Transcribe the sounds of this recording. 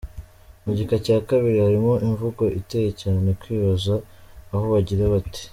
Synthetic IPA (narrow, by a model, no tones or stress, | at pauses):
muɟikacaːkaβiɾihaɾimo̞ʔiɱvuɡo̞ʔite̞jecaːnenekwiːβazaːho̞βaɟiɾaβati̥